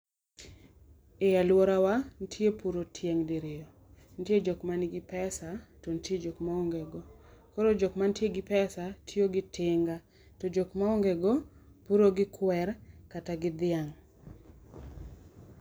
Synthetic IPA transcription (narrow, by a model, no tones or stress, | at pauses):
ejalwɔɾawan̩tʰjepuɾotʰjeŋdiɾɪjo | n̩tjed͡ʒokmanɪɡɪpɛsatontjed͡ʒokmaoŋɡɛɡɔkoɾod͡ʒokmantjeɡɪpɛsatʰjoɡɪtʰɪŋɡa | tod͡ʒokmaoŋɡɛɡɔ | puɾoɡɪkʰwɛrkataɡɪd̪ɪaŋ